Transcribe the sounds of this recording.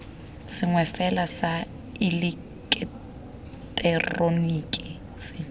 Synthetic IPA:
sɪŋwɛfɛlasa | ɪlɪ | kʼɛ | tʼɛronikʼi | sɪ

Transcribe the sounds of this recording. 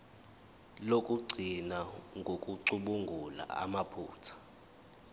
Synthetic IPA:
lokʼuɡ͡ǀʱinaŋɡʱokʼuǀuɓuŋɡʱula̰a̰mapʰṵːtʰḁ

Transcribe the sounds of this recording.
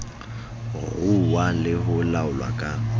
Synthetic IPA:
ɣuwalɪɦʊlaʊlwa̰kʼa

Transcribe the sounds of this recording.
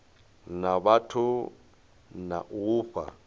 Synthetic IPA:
naβatʰʊ | na̰ʔuːɸa̰

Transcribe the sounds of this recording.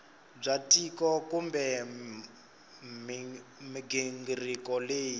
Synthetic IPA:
b͡ʐatʼikɔkumbɛ | mmiɡiŋɡirikɔleːji

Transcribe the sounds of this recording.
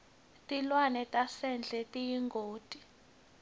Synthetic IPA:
tʼilwanɛtʼasɛnd͡ɮʱɛtʼijiŋɡʱoːtʼi̥

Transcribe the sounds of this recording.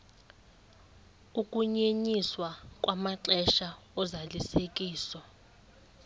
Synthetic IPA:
ukʼuɲeɲiswakʼwamaǁɛʃa | ɔzalisek̬ʼiːsɔ

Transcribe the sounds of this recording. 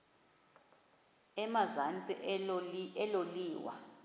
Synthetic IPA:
ɛmazant͡sʼḭ | ɛloliːwa̰

